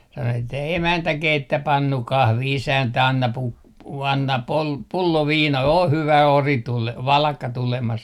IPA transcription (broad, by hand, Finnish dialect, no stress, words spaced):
sɑno etːæ emæntæ keitːæ pɑnːu kɑhʋi isæntæ ɑnːɑ pu ɑnːɑ pol pulːo ʋiːnɑ o hyʋæ ori tule ʋɑlɑkːɑ tulemɑs